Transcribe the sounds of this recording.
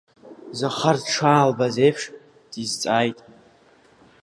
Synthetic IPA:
zaχarʈ͡ʂʰaːlbazejpʰʂ | d̥izt͡sʼaːjtʼ

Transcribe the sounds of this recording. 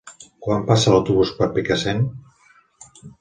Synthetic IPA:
kwampasalawt̪uβuspəɾpikasen

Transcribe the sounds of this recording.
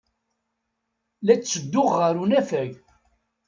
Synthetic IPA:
læt͡st͡sːəd̪ːʊʁːəɾunæfæʝ

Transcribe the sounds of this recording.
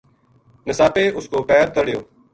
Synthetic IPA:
nɪsaːpeːʔʊskoːpɛːɾt̪əɽɪjoː

